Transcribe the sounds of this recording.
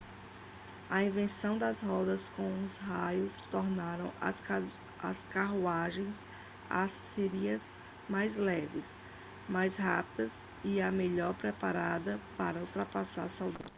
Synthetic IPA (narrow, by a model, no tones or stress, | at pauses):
ɐĩvẽsɐ̃w̃d̪ɐsɦɔd̪ɐskõw̃ʊzɦajʊst̪ɔɾnaɾɐ̃w̃ | ɐ̰skaɦuaʒẽj̃s | a̰sːeɾiɐz | majzlɛvɪs | majsɦapid̪ɐz | ɪɐmeʎɔɾpɾɛpaɾad̪ɐpaɾɐuwt̪ɾapasa̰ɾsawd̪a